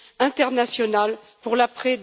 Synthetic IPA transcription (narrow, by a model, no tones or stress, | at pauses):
ɛ̃t̪ɛʁnasjɔnal | puʁlapχɛ